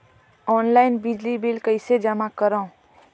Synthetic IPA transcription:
ɔːnlaɪnbɪd͡ʒlibilkəɪsed͡ʒəmakəɾaũ

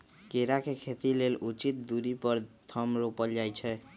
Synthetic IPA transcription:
keɾakekʰet̪ilelut͡ʃit̪̚d̪uɾipɔɾt̪ʰɔmɾopəld͡ʒajt͡ʃʰɛ

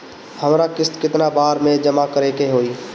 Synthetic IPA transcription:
həmɾakɪst̪kɪt̪nabaːɾmẽd͡ʒəmakəɾekeɦoːiː

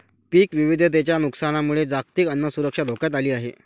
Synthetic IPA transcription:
piːkʋiʋid̪ʱəd̪et͡ɕjanuksañamuɭed͡zakt̪iːkənːəsuɾəkʂad̪ʱokjat̪aliːaɦḛ

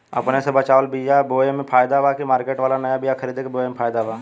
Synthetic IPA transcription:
ə̰pnesebət͡ʃaːʋəlbijaboːemẽpʰaːjd̪abaːkimaːɾkeːʈʋaːlanəjabɪjakʰəɾiːd̪ekeboːemepʰaːjd̪abaː

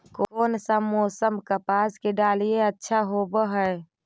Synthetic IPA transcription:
kooːnsəmːɔːsəmkəpaːskeɖalijeətːʃʰaɦobəɦəe

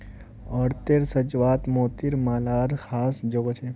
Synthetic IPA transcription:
ɔːɾt̪eɾsɐd͡ʒʋaːt̪moːt̪iɾmaːlaːɾxʰaːsd͡ʒoːɡot͡ʃʰe

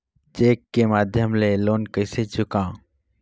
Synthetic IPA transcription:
t͡ʃeːkːemaːd̪ʱjəmleloːnkəɪset͡ʃʰʊkãː

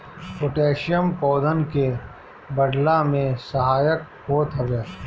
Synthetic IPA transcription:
pʊʈeːʃjəmpɔːd̪ʱənke | bəɖlamẽsəɦaːjək̚ | hoːt̪ɦɐʋeː

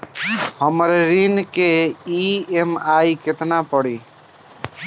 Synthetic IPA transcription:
həmɾɾinkeiemajket̪napɔɽiː

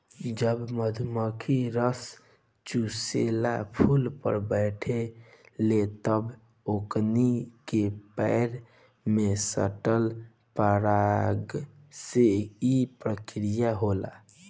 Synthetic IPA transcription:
kid͡ʒəbməd̪ʱməkʰiɾəs | t͡ʃuselapʰulpə̰ɾbəɪʈʰelet̪əb | oknikepɛɪɾ | mesə̰ʈəl | pəɾaɡ | seipɾəkɾijaɦola̰

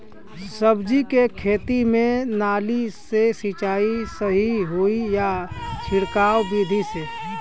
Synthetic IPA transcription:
səbd͡ʒikekʰeːt̪imẽnaːlisesit͡ʃaːisəɦiɦuijat͡ʃʰɪɽkaːwbiːd̪ʱise

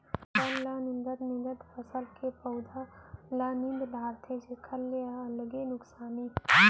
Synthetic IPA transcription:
pəllanɪnd̪ət̪nɪ̃nd̪ət̪pʰəsəlkepəwd̪ʱalanɪ̃nd̪d̪ʱaːɾt̪ʰed͡ʒekʰəlːeaələɡenʊksaːni

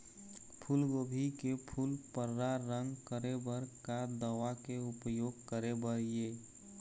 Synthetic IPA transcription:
pʰulɡobʱikepʰulpəɾːaɾə̃ŋɡkəɾebəɾkad̪əʋakeʊpjoːɡ̚kəɾebəɾije

